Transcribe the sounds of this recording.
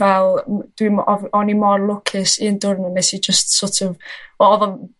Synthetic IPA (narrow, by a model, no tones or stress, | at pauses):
vɛlˠd̥wimɔvɔnimɔrlˠʊkʰɪsiəndʊrnɪnɛsid͡ʒəstsɔtʰɔvɔɔðɔ